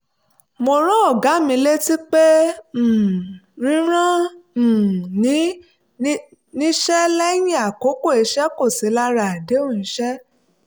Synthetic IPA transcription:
mo˧ɾ̃ã˦ɔ˦˨ɡa˨˦mĩ˧le˦ti˦k͡pẽ˦˨ | ɾ̃ĩ˦ɾ̃ã˦˨ | nĩ˦ | nĩ˦ʃɛ˦lɛ˦jĩ˦a˨ko˨˦ko˦˨e˧ʃɛ˦ko˦˨si˨˦la˦ɾa˨de˨˦ũ˦˨ĩ˨˦ʃɛ˦

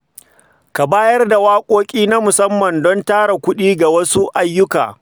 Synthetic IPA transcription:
ka˨baː˦jɐ˦rda˨waː˦kʷʼoː˦kʲʼiː˦na˦mʊ˨sɐ˦mːɐ˨ndɔ˦ntaː˦ɽa˨kʷʊ˦ɗiː˦ɡa˨wɐ˦su˦ʔa˦jːʊ˦ka̰ː˨

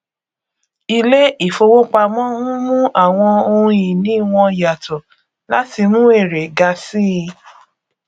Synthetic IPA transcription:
i˧le˦i˦˨fo˧wo˦k͡pa˧mɔ̃˦hũ˦mũ˦ʔa˦˨w̃ɔ̃˧o˧ũ˧ĩ˨nĩ˨˦w̃ɔ̃˧ja˨tɔ˨ | la˦ti˧mũ˦e˦˨ɾe˨ɡa˧si˦˧

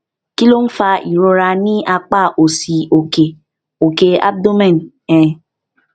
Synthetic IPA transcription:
ki˦lo˦n̩˦fa˧ʔi˨ɾo˧ɾa˧nĩ˦ʔa˧k͡pa˦˨ʔo˨si˨o˨ke˨ | o˨ke˨a̰˦b̚do˦mɛ̃˦˨n | ɛ̃˨

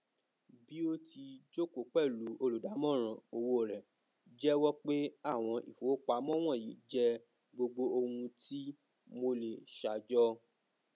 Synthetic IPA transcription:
bi˦o˦ti˧d͡ʒo˦ko˨˦k͡pɛ˦˨lu˨˦o˧lu˨da˨˦mɔ̃˦˨ɾ̃ã˨o˧wo˧˦˨ɾɛ˨ | d͡ʒɛ˦wɔ˦k͡pe˦a˦˨w̃ɔ̃˧ʔḭ˨fo˨˦k͡pa˧˦mɔ̃˦w̃ɔ̃˦˨jḭ˨˦d͡ʒɛ˦ | ɡ͡bo˧ɡ͡bo˧o˧hũ˧ti˦ | mo˧le˨ʃa˨d͡ʒɔ˦

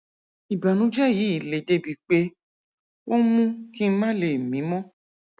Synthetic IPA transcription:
i˨ba˨nũ˨˦d͡ʒɛ˦˨ji˨˦i˨le˨de˧bi˨˦k͡pe˦ | wʔo˦mũ˦ki˦mã˦le˨mĩ˨˦mɔ̃˦

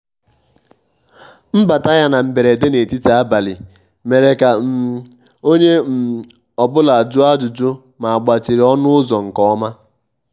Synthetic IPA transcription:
m̩˦ba˨ta˦ja˦na˨m̩˨be˨ɾe˨de˦ne˨ti˦ta˨a˦ba˨lɪ˨ | me˨ɾe˨ka˨m̩˨ | o˦ɲe˦m̩˨ | ɔ˨bʊ˦la˨d͡ʒʊ˦a˦d͡ʒʊ˨d͡ʒʊ˦ | ma˨a˨ɡ͡ba˨t͡ʃi˨ɾi˨ɔ˦nʊ˦ʊ˦zɔ˨ŋ̩˨kɔ˦ɔ˦ma˦

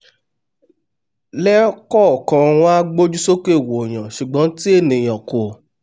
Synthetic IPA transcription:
lɛ˦kɔ˦˨kã˧w̃ɔ̃˦a˦ɡ͡bo˦d͡ʒu˦so˦ke˦˨wo˨j̃ã˨ʃu˨ɡ͡bɔ̃˨˦ti˦e˦˨nĩ˨j̃ã˨ko˨

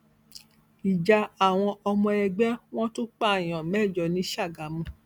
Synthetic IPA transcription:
i˨d͡ʒa˧a˨w̃ɔ̃˧ɔ˧mɔ̃˧ɛ˧ɡ͡bɛ˦w̃ɔ̃˦to˦k͡pa˦˨j̃ã˨mɛ˦˨d͡ʒɔ˨nĩ˨˦ʃa˦˨ɡa˨˦mũ˧

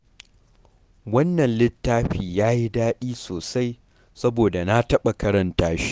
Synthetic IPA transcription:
wɐ˦nːɐ˨nlɪ˦tːaː˦ɸiː˨jaː˦ji˦daː˦ɗiː˦soː˨sa˦j | sɐ˦boː˨da˨na˦tɐ˦ɓa˨kɐ˦ɾɐ˨ntaː˦ʃ

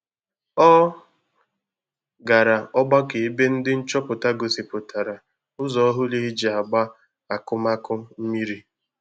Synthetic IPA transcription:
ɔ˦ | ɡa˨ɾa˨ɔ˦ɡ͡ba˦ke˨i˦be˦n̩˦dɪ˦n̩˦t͡ʃɔ˦pʊ˨ta˦ɡo˨si˨pʊ˨tʰa˨ɾa˨ | ʊ˦zɔ˦ɦʊ˦li˦d͡ʒi˨a˨ɡ͡ba˦ | a˨kʊ˦ma˦kʊ˦m̩˦mi˦ɾi˦

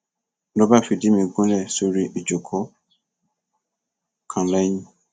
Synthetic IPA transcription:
lɔ˦ba˦˨fi˨˧˨di˨˦mĩ˧ɡũ˦lɛ˦˨so˧ɾi˦ʔi˨d͡ʒo˨kʰɔ˨˦ | kʰã˨lɛ˦jĩ˦

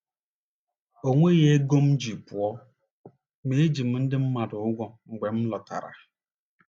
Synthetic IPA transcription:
o˨ŋʷe˦je˦ɡo˦m̩˦d͡ʒi˨pʊ˨ɔ˦ | me˨e˦d͡ʒi˨m̩˦n̩˦dɪ˦m̩˦ma˨dʊ˨ʊ˦ɡʷɔ˦ŋ̩˨ɡ͡be˨m̩˦lɔ˨ta̰˨ɾa̰˨

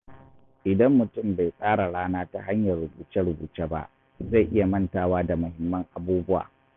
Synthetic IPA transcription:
ʔɪ˨dɐ˦mːʊ˨tʊ˦˨mba˨jsʼaː˦ɽa˨ɽaː˦naː˦ta˨ɦa˦ɲjɐ˨rːʊ˨buː˨t͡ʃɛ˦ɽʊ˨bṵː˨t͡ʃeː˦ba̰˦ʔ | za˦˨jʔɪ˦ja˨mɐ˦˨ntaː˨waː˦da˨mʊ˨hɪ˨mːɐ˦ŋʔa˨buː˦bʊ˦wa̰ː˨

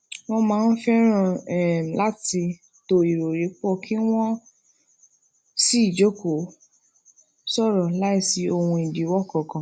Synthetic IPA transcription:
w̃ɔ̃˧mãː˨˦˧n̩˦fɛ˦ɾ̃ã˦˨ɛ˨la˦ti˧ | to˧˦i˨ɾo˨ɾe˨˦k͡pɔ˦˨kʰi˦w̃ɔ̃˦ | si˦i˦˨d͡ʒo˦ko˨ | sɔ˦˨ɾɔ˨la˨˦i˦˨si˧˦o˧hũ˧i˨di˨˦wɔ˦kɔ˨kã˨

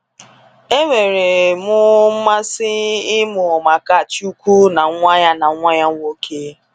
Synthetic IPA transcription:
e˦ŋʷe˨ɾe˨mʊ˦m̩˦ma˦sɪ˦ɪ˦mʊ˨ɔ˨ma˨ka˦˨t͡ʃu˦kʷu˦na˨˦ŋʷa˦ɲa˦na˨˦ŋʷa˦ɲa˦ŋʷ˦o˦kʰe˦

